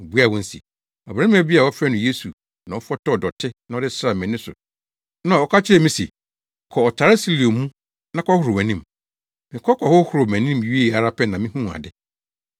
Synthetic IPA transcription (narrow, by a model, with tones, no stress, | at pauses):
bu˦a˦˨wɔ̃˦n̩˦sḭ˨ | ɔ˨bɛ˦bi˦a˨wɔ˦fɛ˦nʊ̃˨je˦su˨ | nã˨˦ɔ˦fɔ˦tɔ˦ɔ˨dɔ˨tʰɪ˦nã˨ɔ˦dɪ˦sɾa˨mɛ̃˨nɪ̃˦sʊ̰˨ | nã˨wɔ˦kʰa˦t͡ɕʰɪ˦ɾɛ˨mĩ˦sḛ˨ | kʰɔ˨ɔ˨tʰa˨ɾɪ˦si˦li˨o˨mũ˦ | nã˦kɔ˦hʊ˨ɾʊ˨mæ̃˨nĩ˦m | mɪ̃˨kʰɔ˦kʰɔ˨hʊ˦hʊ˨ɾʊ˨mæ̃˨nĩ˦m˨ɥi˦e˦˨a˨ɾa˦pʰɛ˦nã˨mɪ̃˦hũ˦˨a̰˨dɪ˦